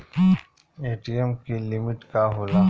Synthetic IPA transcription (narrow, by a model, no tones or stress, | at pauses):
eːʈiemkilɪmɪʈkaɦoːlaː